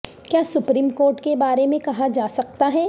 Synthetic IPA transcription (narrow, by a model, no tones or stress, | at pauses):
kjaːsʊpɾiːmkoːɾʈkebaːɾemẽkɐɦad͡ʒaːsɐkt̪aɦɛː